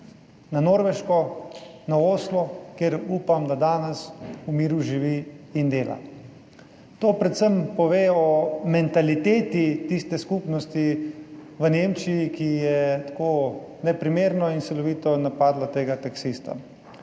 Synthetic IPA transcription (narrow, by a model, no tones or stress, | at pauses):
nanoːɾʋɛʃkɔnaoːslɔkeɾuːpamd̪ad̪aːnɛsumiːɾuʒiʋiːnd̪eːla̰ | t̪oːpɾɛt̪səmpɔʋeːɔmɛnt̪alit̪eːt̪it̪ist̪ɛskupnɔst̪i | ʋəneːmt͡ʃijikijɛt̪ḁkoː | nɛpɾimeːɾnɔint̪sɛlɔʋiːt̪ɔnapaːd̪lat̪eːɡat̪aksist̪a̰